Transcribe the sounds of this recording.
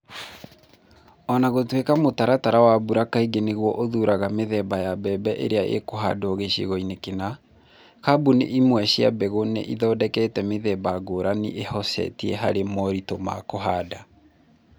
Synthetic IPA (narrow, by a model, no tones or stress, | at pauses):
ɔnaɣotwekamotaɾataɾawabuɾakaiɡeneɣwɔʔoðuɾaɣameðɛbajabɛbɛʔḛɾeaḛkoɦa̰dooɣeɕḛɣɔinekena | kabunḛʔimwɛɕia̰bɛɣonḛʔiðɔːdɛkɛtɛmeðɛbaɡoɾanḭʔehɔsɛ̰tiɛɦa̰ɾemɔɾitoma̰koɦaːda